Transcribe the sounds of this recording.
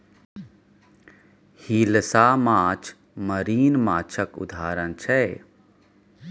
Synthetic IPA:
hiːləsaːmaːt͡ʃʰ | məɾiːnmaːt͡ʃʰəkʊ̰d̪ʱaːɾənt͡ʃʰɛ

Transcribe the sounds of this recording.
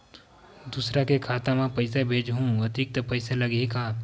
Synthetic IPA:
d̪usɾakekʰaːt̪ãmãpɐɪsebʱeːd͡ʒɦũɐt̪ik̚t̪əpɐɪselɐɡeka

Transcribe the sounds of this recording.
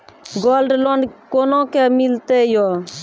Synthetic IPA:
ɡoːlɖloːɳɖkoːnõːkemɪlt̪ejo

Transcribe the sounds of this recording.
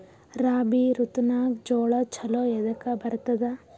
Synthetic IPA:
ɾaːbiɾut̪naːk̚d͡ʒoːɭɐt͡ʃʰɐloːjɛd̪ɐkɐbɐɾt̪ɐd̪ɐ

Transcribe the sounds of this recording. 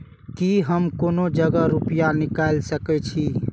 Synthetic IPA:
kiɦəmkonod͡ʒəɡəɾupijanikajlsəkɛt͡ʃʰi

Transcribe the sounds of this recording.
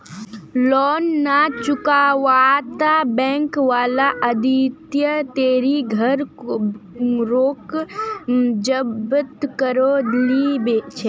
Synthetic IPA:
lɔːnːat͡ʃʊkaːʋat̪abɛ̃ːŋkʋaːlaʔɐd̪it̪jət̪eːɾiɡʱɐɾ | ɾoːk | d͡ʒəbət̪kəɾolibet͡ʃʰeː

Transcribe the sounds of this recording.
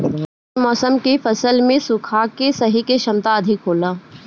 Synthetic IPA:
mɔːsəmkifɐsəlmẽsʊkʰaːkesɐɦikeʃɐmt̪aɐd̪ʱɪkɦoːlaː

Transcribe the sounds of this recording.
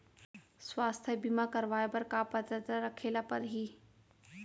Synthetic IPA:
swaːst̪ʰjəbimakɐɾʋaːepɐɾkapɐt̪ɾət̪ɾəɾɐkʰeːlapɐɾɦiː

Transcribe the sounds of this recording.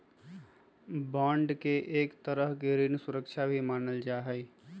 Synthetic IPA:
bãːɳɖkeʔeːkt̪əɾəɦɡeɾinsʊɾəkt͡ʃʰabʱimaːnəld͡ʒaːɦɛj

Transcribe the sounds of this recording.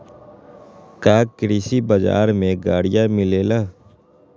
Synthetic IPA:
kaːkɾiːsibəd͡ʒa̰ːɾmẽɡaːɽɪjamɪleːlaː

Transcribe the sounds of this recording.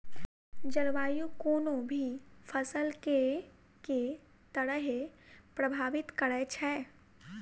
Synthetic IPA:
d͡ʒɐɾʋaːjukoːnõbʱifʰəsəlke | ke | t̪əɽəɦepɾɐbʱaːʋɪt̪kɐɽɛt͡ʃʰɛː

